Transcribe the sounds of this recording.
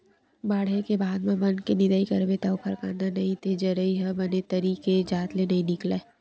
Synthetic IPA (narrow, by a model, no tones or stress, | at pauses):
baːɽ̤ekebaːd̪mãbɐnkenɪd̪aikɐɾbet̪aʊpʰɐɾkãːnd̪anɐɦĩt̪ʰed͡ʒɐɾəiɦɐbɐnet̪ɐɾiːked͡ʒaːt̪lenɐɦĩnɪkla